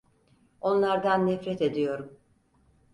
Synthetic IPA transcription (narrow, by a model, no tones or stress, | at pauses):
o̞nlˠaɾd̪anːɛfɾɛt̪e̞d̪ijo̞ɾum